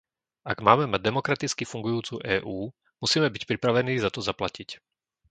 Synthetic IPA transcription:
aɡmaːmɛmaɟ̚d̪ɛmɔkɾat̪it͡skifuŋɡujuːt͡suːʔɛːʔuː | musiːmɛbicpɾipɾaʋɛniːzat̪ɔzaplacic

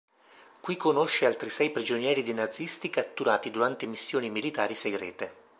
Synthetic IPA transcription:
kwikːonoʃːealt̪ɾisɛjpɾid͡ʒonjɛːɾid̪inad̪zːist̪ikat̪ːuɾaːt̪id̪uɾant̪emisːjoːnimilit̪aːɾiseɡɾɛ̰ːt̪e

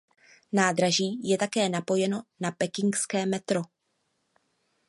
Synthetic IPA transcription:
naːdɾaʒiːjɛt̪akɛːnapo̞jɛno̞napɛkɪŋkskɛːmɛt̪ɾo̞

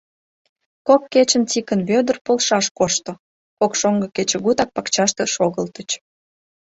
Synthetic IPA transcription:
kop̚ket͡ɕənt͡sikənβød̪ərpolʃɑʃkoʃt̪o | kokʃoŋɡəket͡ɕeɣut̪ɑk̚pɑkt͡ɕɑʃt̪əʃoɣəlt̪ət͡ɕ

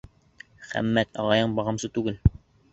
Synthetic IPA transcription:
χæ̰mːæt̪ɒʁɑjɤɴbɒʁɤ̆msɤt̪ʉɡɘl

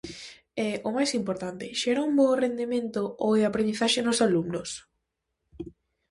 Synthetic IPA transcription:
ɛomajsimpoɾt̪ant̪ɪʃɛɾaumborend̪emẽnt̪ooeapɾẽnd̪iθaʃenʊsalumnʊs

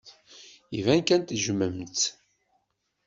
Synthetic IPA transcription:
ivænkænt̪ʒməmt͡s̪

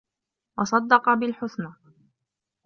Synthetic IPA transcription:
wɑsˤɑd̪ːɑqɑbɪlħʊθna

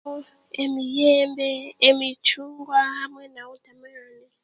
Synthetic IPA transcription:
emijɛmbɛːmit͡ʃuŋɡwahamwɛnautamaani

